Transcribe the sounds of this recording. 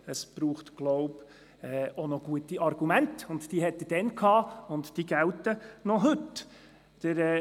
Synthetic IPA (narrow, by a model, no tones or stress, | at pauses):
əsb̥ɾuːχtɡ̥lɔʊb | ɛːonɔɡ̥uətiʔɑrɡ̥umæntʊndd̥iɦɛt̪ːəd̥ɛnkʰhɑːʊntd̥iːɡæltənɔɦɵt | d̥əɾɛː